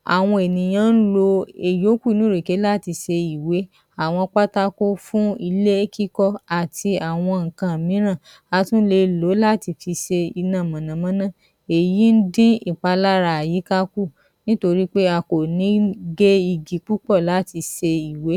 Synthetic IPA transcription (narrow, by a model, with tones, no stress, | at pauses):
a̰˨w̃ɔ̃˧e˨nĩ˨j̃ã˦n̩˦lo˧e˨jo˨˦kʷu˦˨˧nũ˨˦ɾe˨ke˨˦la˦˨ti˧ʃe˧i˨we˨˦ | a˨w̃ɔ̃˧k͡pa˦ta˦ko˦fũ˦i˧le˦kʰi˦kɔ˦˨a˨tʰi˧a˨w̃ɔ̃˧ŋ̩˨kã˨mĩ˨˦ɾ̃ã˦˨ | a˧˦tũ˦le˧˨lo˨˦la˦˨ti˧fi˧ʃe˧i˧nã˦˨mã˨nã˨mã˨˦nã˦˨ | e˨ji˨˦n̩˦dĩ˦i˨k͡pa˧la˦ɾa˧a˨ji˨˦ka˦ku˦˨ | nĩ˦to˧ɾi˦k͡pe˦a˧ko˨nĩ˨˦ɡe˦i˧ɡi˨k͡pu˦k͡pɔ˦˨la˨˦ti˧ʃe˧i˨we˨˦